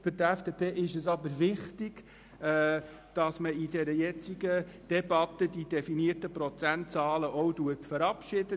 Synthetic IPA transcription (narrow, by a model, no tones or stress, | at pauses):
fʏɾtɛfd̥epʰeːʔɪʃɛsɑbəɾvɪχtɪɡ̥ | d̥ɑsməidɛɾəjɛt͡siɡəd̥ɛbɑt̪ədid̥ɛfiniətəpɾɔt͡sæntt͡sɑːləʔɔwduətfəɾɑpʃɪdə